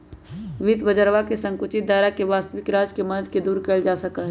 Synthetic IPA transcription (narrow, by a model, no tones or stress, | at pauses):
ʋɪd̪bəd͡ʒəɾʋakesə̃ŋkʊt͡ʃɪt̪̚d̪aːɾakeʋaːst̪əʋɪkɾaːd͡ʒkeməd̪əd̪̚ked̪uːɾkɛld͡ʒaːsəkaɦ